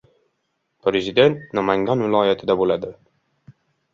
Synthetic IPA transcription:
pɾezɪd̪e̞nt̪namaŋɡʲanvɪlˠɒːjat̪ʰɪd̪abolad̪ɪ

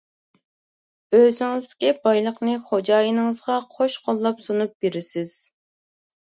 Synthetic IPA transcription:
øzɪŋɪzd̪ɪkʲibɑjlˠəqnɨχod͡ʒɑːjinɨŋəzʁɑqʰoʃqʰolˠːɑpsonup̚beɾɪsɪz̥

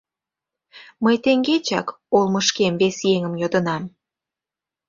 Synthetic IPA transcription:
məjt̪eŋɡet͡ɕɑ̰k | olməʃkemvesjeŋəmjod̪ə̆nɑm

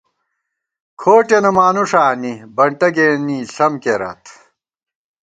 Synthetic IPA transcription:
kʰoːʈenɐmaːnuʂaːnibɐɳʈɐɡeːniːɬɐmkeɾɐ̰t̪ʰ

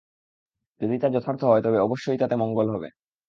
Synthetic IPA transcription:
d͡ʑod̪it̪ad͡ʑot̪ʰaɾt̪ʰoɦɔet̪ɔbeɔboʃːojt̪at̪emɔŋɡolɦɔbḛ

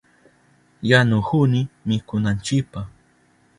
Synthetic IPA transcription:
janʊhʊnɪmɪkʊnant͡ʃɪpah

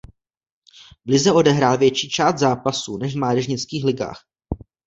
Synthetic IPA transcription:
vlɪzɛo̞dɛɦɾaːlvjɛt͡ʃiːt͡ʃaːst̪zaːpasunɛʃvmaːdɛʒɲɪt͡skiːxlɪɡa̰ːx

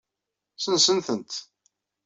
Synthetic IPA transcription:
sənsənθənt̪

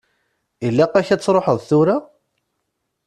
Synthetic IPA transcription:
ilːæqæçæt͡sːɾˤoħəðˤθʊɾa

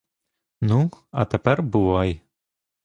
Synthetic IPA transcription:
nuɑ̰t̪æpæɾbulɑj

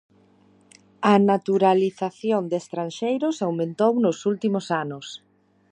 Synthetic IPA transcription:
ɐnat̪uɾaliθaθjond̪est̪ɾanʃejɾʊsawmẽnt̪ownʊsult̪imʊsanʊs

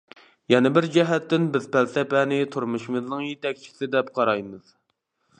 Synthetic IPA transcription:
jɛnɛbɪɾd͡ʒɛɦɛt̪ːɪnbɪzpʰælsɛpɛnɪt̪ʰuɾmuʃimɨznɨŋjet̪ɛk̚ʲt͡ʃʰi̥sɪd̪ɛp̚qʰɑɾɑjmɨz̥

